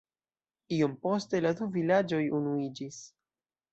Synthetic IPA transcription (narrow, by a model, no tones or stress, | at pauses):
io̞mpo̞ste̞laduvilad͡ʒo̞junuid͡ʒis